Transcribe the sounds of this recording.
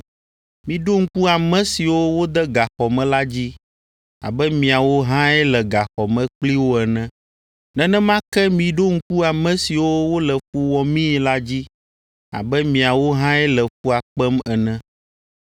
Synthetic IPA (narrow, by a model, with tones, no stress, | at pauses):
mĩ˨ɖo˦ŋ̩˦ku˦a˨mɛ̃˦si˨wo˦wo˦d̪ɛ˦ɡa˨xɔ˨mɛ̃˨la˦d͡ʑi˦ | a̰˨bɛ˦mĩ˨a˨wo˦ɦã˦ɛ˦lɛ˨ɡa˨xɔ˨mɛ̃˨k͡pli˦wo˦ɛ˨nɛ̃˦ | nɛ̃˦nɛ̃˦mã˦kɛ˦mĩ˨ɖo˦ŋ̩˦ku˦a˨mɛ̃˦si˨wo˦wo˦lɛ˨ɸu˦wɔ˨mĩ˦la˦d͡ʑi˦ | a̰˨bɛ˦mĩ˨a˨wo˦ɦã˦ɛ˦lɛ˨fu˦a˨k͡pɛ˦mɛ˨nɛ̃˦